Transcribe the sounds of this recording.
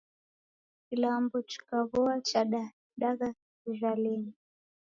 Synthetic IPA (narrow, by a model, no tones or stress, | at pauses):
kilambɔt͡ʃu̥kaβɔat͡ʃaɗa | ɗaɣa | uʒwalini